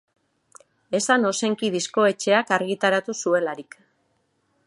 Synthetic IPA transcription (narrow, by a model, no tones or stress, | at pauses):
e̞sano̞se̞ŋkiðisko̞e̞t͡ʃe̞akaɾɣit̪aɾat̪usue̞laɾik